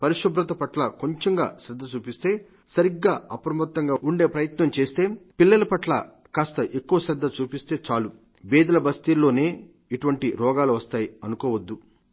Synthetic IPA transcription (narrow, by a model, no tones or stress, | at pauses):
pɐɾiʂɐbɾɐt̪ɐpɐʈlɐkoɲt͡ʃeŋɡa̰ːʃɾɛd̪ːɐt͡ʃuːpist̪e̞ː | sɐɾiɡːaːɐpɾɐmɐt̪ːɐŋɡaːuɳɖe̞ːpɾɐjɐt̪nɐmt͡ʃe̞ːst̪e̞ːpilːɐlɐpɐʈlɐ̰ | kaːst̪ɐʔekːuʋɐʃɾɛd̪ːɐt͡ʃuːpist̪e̞ːt͡ʃaːlu | bɛːd̪ɐlɐbɐst̪ilːo̞ːne̞ː | iʈuʋɐɳʈiɾɔːɡaːluʋɐst̪aːjiɐnukoːʋɐd̪ːu